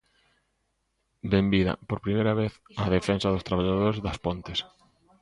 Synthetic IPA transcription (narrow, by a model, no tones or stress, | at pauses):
bembiðɐ̰poɾpɾimejɾɐβeθɐðefensɐðʊst̪ɾaβaʎaðoɾezðɐspont̪ɪs